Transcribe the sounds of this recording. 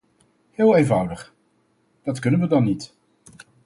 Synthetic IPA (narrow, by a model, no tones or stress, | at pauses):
hɪːlˠeːnvʌwdəχ | d̥ɑtkɵnənʋədɑnːit